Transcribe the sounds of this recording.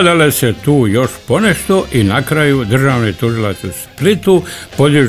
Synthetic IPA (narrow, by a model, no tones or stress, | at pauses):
d̪aleset̪uːjo̞ʃpo̞neʃt̪oʔinakɾajud̪rʒaːʋnet̪uʒilat̪susplit̪upo̞d̪iʒ